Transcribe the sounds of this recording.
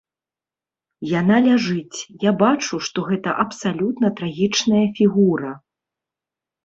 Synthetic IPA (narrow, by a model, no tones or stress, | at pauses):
janalʲaʐɨt͡sʲjabat͡ʂuʂt̪ɔɣɛt̪ɐʔɐpsalʲut̪nɐt̪ɾaɣʲit͡ʂnɐjɐfʲiɣuɾɐ